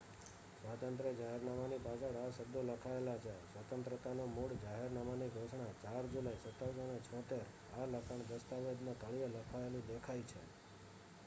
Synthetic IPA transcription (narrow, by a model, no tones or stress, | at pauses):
sʋat̪ənt̪ɾed͡ʒaɦɛɾnamanipasaɽaʃəb̚d̪oləkʰaelat͡ʃʰesʋət̪ənt̪ɾət̪anomuɽd͡ʒaɦeɾnamaniɡʱoʃɳat͡ʃaɾd͡ʒulaisət̪ːasonet͡ʃʰɔ̃t̪eɾ | aləkʰaɳ̃d̪əst̪aʋed̪nõt̪əɭijeləkʰaelũd̪ekʰajt͡ʃʰḛ